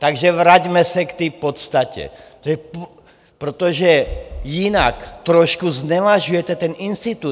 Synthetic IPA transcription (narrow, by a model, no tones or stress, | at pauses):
t̪aɡʒɛʋɾaɟmɛsɛkt̪ɛːpot̪st̪acɛ̰ | ʒɛp | pɾot̪oʒɛjinakt̪ɾɔʃkuznɛvaʒujɛt̪ɛt̪ɛninst̪it̪u